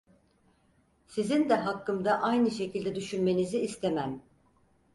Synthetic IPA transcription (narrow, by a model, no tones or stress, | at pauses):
sizind̪ɛɦakːɯmd̪aʔajnɯʃe̞cilʲd̪ɛd̪yʃynme̞niziːst̪ʰemæm